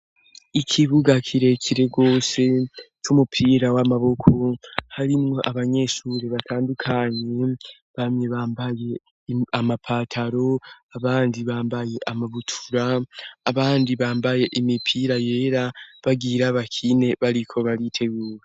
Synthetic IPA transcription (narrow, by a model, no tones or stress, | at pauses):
ikʰiβuɡakʰiɾe̞kʰiɾe̞ɡo̞ːse̞t͡ʃumupʰiːɾawamaβo̞kʰohaɾimŋo̞ʔaβaɲe̞ʃuɾeβatʰaːndukʰaɲe̞ | βamɲe̞βaːmbaje̞ | amapʰaːtʰaɾo̞aβaːndiβaːmbaje̞ʔamaβutʰuɾaːβaːndiβaːmbaje̞ʔimipʰiɾaje̞ːɾaβaɡiːɾaβakʰine̞βaɾikʰo̞βaɾitʰe̞ɡuːɾe